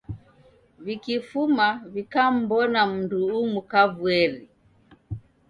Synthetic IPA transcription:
vikifumavikam̩bɔnam̩nduːmukavuɛɾi

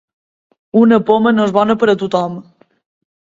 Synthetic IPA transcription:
unəpomənoezβɔnəpəɾət̪ut̪ɔm

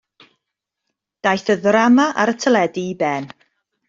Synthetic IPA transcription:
d̥ajθəðramaʔaɾətʰəlɛdibɛn

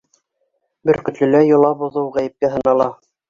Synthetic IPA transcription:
bɘ̆ɾkɵ̆t̪lɵ̆læjŏlˠɑbŏðɤwʁæjɘ̆p̚kæɦɤ̆nɑlˠɑ

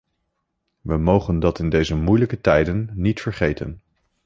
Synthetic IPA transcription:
ʋəmowχəndɑtɪndejzəmujləkətɛjdənːitfəɹχejtə̰n

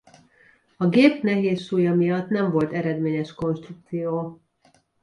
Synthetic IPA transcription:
ɒɡeːpnɛɦeːsːuːjɒmijɒt̪nɛɱvo̞lt̪ɛɾɛd̪meːɲɛʃko̞nʃt̪ruk̚t̪sijoː

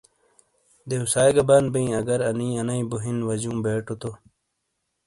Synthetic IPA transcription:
d̪eusaːjɡɐbaːnbɐ̃ĩɐɡɐɾɐnĩːɐnɐĩbuɦinʋɐd͡ʑũːbeːʈot̪o

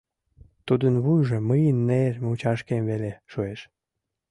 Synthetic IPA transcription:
t̪ud̪ənβujʒə̆məjənːermut͡ɕɑʃkemβeleʃueʃ

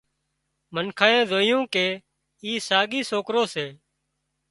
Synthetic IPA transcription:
mənkʰaːẽːd̪ʱoːɪjũːkeː | iːsaːɡiːsoːkɾoːseː

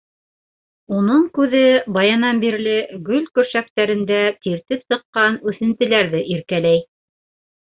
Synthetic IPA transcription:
unɤɴkʉðɘbɑjɑnɑnbiɾlɘɡɵlkɵ̆ɾʃæk̚t̪æɾɘ̆nd̪æt̪iɾt̪ɘpsɤ̆qːɑnʉθɘ̆nt̪ɘ̆læɾðɘʔiɾkælæj

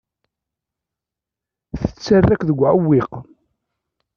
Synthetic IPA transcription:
θə̥t͡sːarːækðəɡʷːʕəwːiq

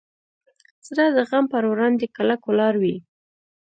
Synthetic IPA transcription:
sɾɑd̪əɣampəɾwɾɑnd̪ekalakʊlɑɾwi

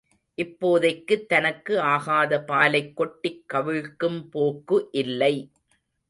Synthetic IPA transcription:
ʔɪpːoːðɐɪkːɯt̪ːɐnɐkːɯaːɣaːðɐpaːlɐɪkːɔʈːɪkːɐʋɪɻkːɯmpoːkːɯʔɪlːɐɪ

